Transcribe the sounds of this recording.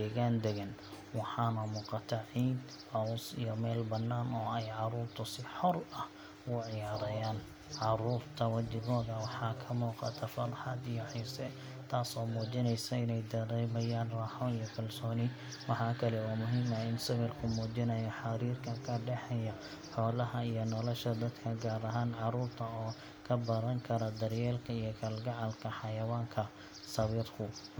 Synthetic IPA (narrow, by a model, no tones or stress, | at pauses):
ɛɣaːnd̪ɛɣɐn | wɑħɑːnɐmuːqɑt̪ʰɐʕiːd̪ | hɐwsḭjɔmɛːlbɐnːaːnɔːɛjʕɑɾuːrt̪ʰʊsɪħɔrɐh | ʔʊʕɪjaːɾɐjaːn | ʕɑɾuːrt̪ʰɐwɐd̪ɪɣɔːðɐwɑħɑːkʰɐmuːqɑ̰t̪ʰɐfɐrħɑd̪ijɔħiːsɛ | t̪ʰaːsɔːmuːt͡ʃɪnɛjsɐɪnɛjd̪ɐɾɛːmɐjaːnrɑħɔnijɔkʰɐlsɔːnɪ | wɑħɑːkʰɐlɛwaːmʊɦiːmɐɪnsɐβɪrkʰʊmuːt͡ʃɪnɐjɐħɑɾiːrkʰɐkʰɐɖɛħɛjɐ | ħɔːlɐɦɐijɔnɔlɔʃɐd̪ɐd̪kʰɐɡaːɾɐɦaːnʕɑɾuːrt̪ʰɐɔː | kʰɐbɐɾɐŋkʰɐɾɐd̪ɐɾjɛːlkʰɐijɔkʰɐlɡɐʕɑlkʰɐħɑjɐwaːŋkʰɐ | sɐβɪrkʰʊ